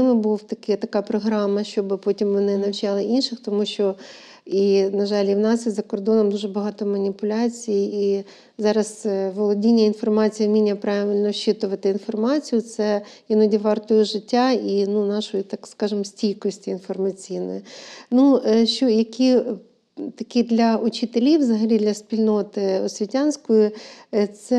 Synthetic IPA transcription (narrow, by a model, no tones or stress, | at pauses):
ɪmɪbuwt̪ɐkɪt̪ɐkɑpɾɔɦɾɑmːɐʃt͡ʃɔbɪpɔtʲimʋɔnɪnɐwt͡ʃɑlˠɪʔinʃɪxt̪ɔmuʃʲt͡ʃɔ | inɐʒɑlʲiwnɑsjizɐkɔrd̪ɔnɔmd̪uʒɛbɐɦɑt̪ɔmɐnʲipʊlʲɑt͡sʲijii | zɑɾɐsʋɔlˠɔdʲinʲːɐinfɔrmɑt͡sʲijmʲinʲːɐpɾɑʋʲilʲnɔʃt͡ʃɪt̪ʊʋɐt̪ɪinfɔrmɑt͡sʲijʊt̪sɛjinɔdʲiʋɑrt̪ʊjʊʒɪtʲːainunɑʃʊjit̪ɑkskɑʒɪmsʲtʲijkɔsʲtʲiːnfɔrmɐt͡sʲijnɔ̰jnuʃt͡ʃɔjɐkʲi | t̪ɐkʲid̪lʲɐʊt͡ʃɪt̪elʲiwzɐɦɐlʲid̪lʲɐsʲpʲilʲnɔt̪ɪɔsʲʋʲitʲɑnʲsʲkɔjʊt̪sɛ